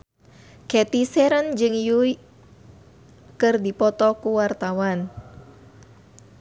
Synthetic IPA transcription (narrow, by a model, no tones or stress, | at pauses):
kɛt̪isɛɾənd͡ʒɨŋjui | kɨrdipɔt̪ɔkuwart̪awan